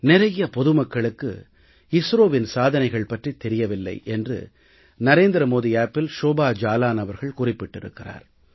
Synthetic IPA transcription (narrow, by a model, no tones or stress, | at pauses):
nɪɾɐjɐpɔðɯmɐkːɐɭɯkːɯ̰ | ɪsɾoːʋɪnsaːðɐnɐɪɣɐɭpɐʈrit̪ːɛɾɪjɐʋɪlːɐ̰ɪʔɛndrɯ̰ | nɐɾeːnd̪ɾɐmoːðiaːpːɪlʃoːbaːd͡ʒaːlaːnɐʋɐɾɣɐɭkʊrɪpːɪʈːɪɾɯ̰kːɪra̰ːɾ